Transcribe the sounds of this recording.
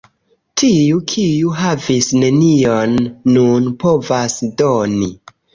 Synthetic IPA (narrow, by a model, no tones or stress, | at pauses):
tʰiukʰijuɦavisne̞nio̞nːunpo̞vasdoni